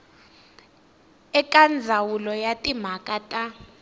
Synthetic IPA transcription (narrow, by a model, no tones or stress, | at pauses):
ɛkʼand͡zʱawulɔjatʼim̤akʼatʼa